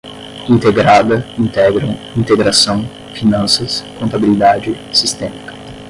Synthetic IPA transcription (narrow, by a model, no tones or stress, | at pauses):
ĩnt̪eɡɾad̪ɐĩnt̪ɛɡɾɐ̃w̃ | ĩnt̪eɡɾasɐ̃w̃ | finɐ̃nsɐskõnt̪abilid̪ad͡ʒɪ | sist̪ɛmikɐ̥